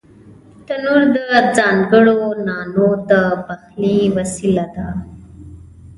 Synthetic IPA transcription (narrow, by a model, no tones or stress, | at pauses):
t̪ənuɾd̪əd͡zaːnɡəɽonaːnot̪əbəxliʋəsilad̪a